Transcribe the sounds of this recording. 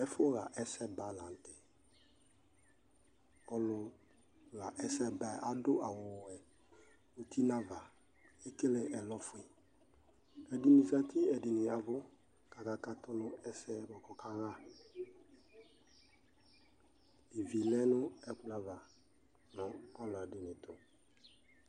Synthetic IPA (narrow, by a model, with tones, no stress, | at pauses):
ɛ˦fʊ˦ɣa˨ʔɛ˦sɛ˦ba˦la˨n˨tɪ˨ | ɔ˦lʊ˧ | ɣa˨ʔɛ˦sɛ˦ba˦˨ʔa˦dʊ˦ʔa˨wʊ˨wʊ˨ɛ˨ | o˨ti˦na˦va˨ | ɪ˦kɪ˦lɪ˨ʔɛ˨lɔ˦fʊ˨˦ɪ˨ | ɛ˨di˦ni˨sa˦tɪ˦ɛ˨dɪ˨nɪ˨a˨vʊ˦ | ka˨ka˨ka˦tʊ˦nʊ˦ɛ˦sɛ˦bɔ˨kɔ˨ka˦ɣa˦˨ | ɪ˨vi˨lɛ˦nʊ˦ɛ˦kʊ˨˦la˨va˨ | nɔ˨ɔ˦lʊ˨a˨dɪ˨nɪ˨tʊ˨